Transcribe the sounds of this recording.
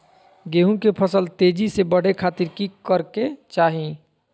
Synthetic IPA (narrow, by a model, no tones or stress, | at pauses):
ɡeːɦũkepʰəsəlt̪eːd͡ʒisebəɽ̤ekʰaːt̪iɾkikəɾket͡ʃaːɦĩ